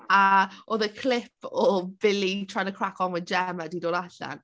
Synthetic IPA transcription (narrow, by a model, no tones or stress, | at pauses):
aoðəkʰlɪpʰɔb̥ɪlitʰaːjnəkʰrakʰɔnwɛnd͡ʒɛmadidoːdaɬa̰n